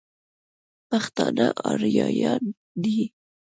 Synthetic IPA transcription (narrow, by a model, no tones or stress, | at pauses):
paxt̪ɑnaʔɑɾjɑjɑn | d̪i